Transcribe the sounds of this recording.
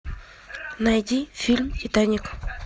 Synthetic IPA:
najɟifilmcitaɲik

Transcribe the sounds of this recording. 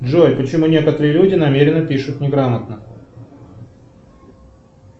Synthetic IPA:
dʐojʲpət͡ɕɪmunʲekət̪əɾɨjəlʲudʲɪnɐmʲeɾʲɪnəpʲiʂʊt̪nʲɪɡɾamət̪nə

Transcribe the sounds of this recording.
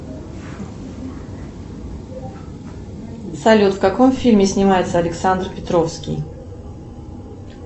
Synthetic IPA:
sɐlʲut̪fkɐkomfʲilʲmʲɪsʲnʲɪmajɪt̪səɐlʲɪksand̪rpʲɪt̪ɾofskʲḭj

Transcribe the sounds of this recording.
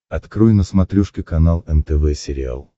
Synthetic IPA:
ɐt̪kɾujnəsmɐt̪ɾʲuʂkʲɪkɐnalˠɛnt̪ɛvɛsʲɪɾʲɪa̰lˠ

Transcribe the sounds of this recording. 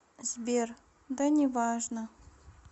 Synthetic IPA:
zbʲer | d̪anʲɪvaʐnə

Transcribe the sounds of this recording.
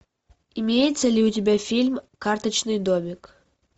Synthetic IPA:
imʲejɪt̪səlʲiutʲɪbʲafʲilʲmkart̪ət͡ɕnɨjd̪omʲɪk

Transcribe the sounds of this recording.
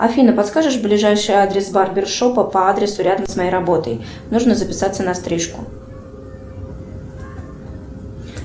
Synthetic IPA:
ɐ̰fʲinəpɐt̪skaʐɨʂblʲɪʐajʂɨjad̪ɾʲɪsbarbʲɪrʂopəpəad̪ɾʲɪsʊɾʲad̪əmsmɐjejrɐbo̞t̪əj | nuʐnəzəpʲɪsat̪sːənɐst̪ɾʲiʂkʊ

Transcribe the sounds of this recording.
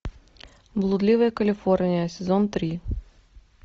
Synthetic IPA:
blˠʊd̪lʲivəjəkəlʲifɔɾnʲijəsʲɛzɔnt̪ɾʲi

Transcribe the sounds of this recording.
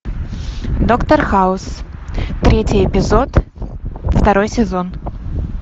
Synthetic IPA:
d̪okt̪ərxaʊst̪ɾʲetʲɪjɛpʲɪzot̪ | ft̪ɐɾojsʲɪzon

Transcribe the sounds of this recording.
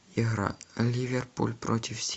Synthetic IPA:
iɣɾa̰lʲivʲerpṵlʲpɾotʲɪfsʲ

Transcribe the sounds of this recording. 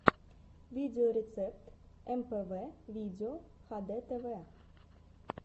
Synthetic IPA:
viːd̪ɪʊɾɛt̪sɛp̚t̪ʔɛmpeːʋeːviːd̪ɪʊhɑːd̪eːt̪ʰeːveː

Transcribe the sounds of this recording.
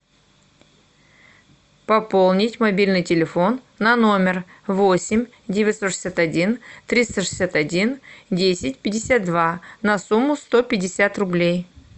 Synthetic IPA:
pɐpolˠnʲɪtʲmɐbʲilʲnɨjtʲɪlʲɪfo̞nːɐno̞mʲɪrvosʲɪmʲ | dʲevʲɪt̪ʲsoʂɨ̥sʲat̪ɐdʲint̪ɾʲist̪əʂɨ̥sʲat̪ɐdʲindʲesʲɪt̚ʲpʲɪdʲɪsʲat̪̚d̪vanɐsumːʊst̪o̞pʲɪdʲɪsʲat̪rʊblʲej

